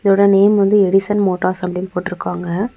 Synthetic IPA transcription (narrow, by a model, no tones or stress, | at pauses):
ɪðoːɽɐneːmʋɐnd̪ɯɛɽɪsɐnmoːʈːaːɾsɐpːɐɽɪnːpoːʈːɪɾɯkːaːŋɡɐ